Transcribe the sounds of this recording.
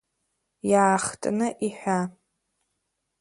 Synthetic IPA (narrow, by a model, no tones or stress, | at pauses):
jaːχtʼnɨʔiħʷᶣa